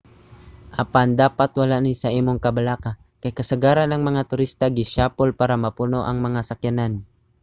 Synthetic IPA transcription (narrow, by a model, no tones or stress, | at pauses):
ʔɐpand̪aːpat̪wɐlaʔnɪsɐʔiːmoŋkɐbɐlaːka | kɐjkɐsɐɡaːɾanɐŋmɐŋat̪ʊɾist̪aɡɪʃaːpolpaːɾɐmɐpunoʔɐŋmɐŋasɐkjanan